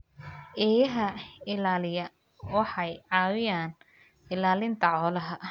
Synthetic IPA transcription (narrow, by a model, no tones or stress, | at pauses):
ʔɛːjɐɦɐɪlaːlɪjɐ | wɑħɑjʕɑːwɪjaːn | ɪlaːlɪnt̪ʰɐʕɔːlɐɦɐ